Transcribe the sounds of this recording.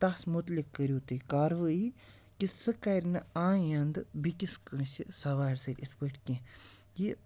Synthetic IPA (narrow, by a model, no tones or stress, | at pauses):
t̪ɐsmut̪likːəɾʲjuːt̪ɨkaːɾʋɨi | kisɨkːɐɾʲnɨãːjɐnd̪ɨbikʲiskɨ̃ːʃisɐʋaːɾʲsɐɾʲʔispəʈʰkʲẽː | ji